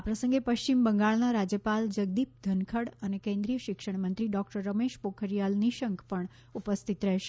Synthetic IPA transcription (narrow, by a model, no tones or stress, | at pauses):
apɾəsə̃ŋɡepəʃt͡ʃimbəŋɡaɭnaɾad͡ʒjəpald͡ʒəɡd̪ip̚d̪ʱənkʰəɽənekẽnd̪ɾijəʃɪkʃəɳmənt̪ɾiɖɔk̚ʈəɾːəmeʃpokʰəɾjalniʃəŋkpəɳ | upəst̪ʰit̪ɾɛɦʃe